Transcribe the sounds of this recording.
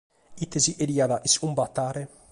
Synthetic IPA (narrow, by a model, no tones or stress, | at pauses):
it̪eziʔeɾiad̪aʔisumbat̪ːaːɾe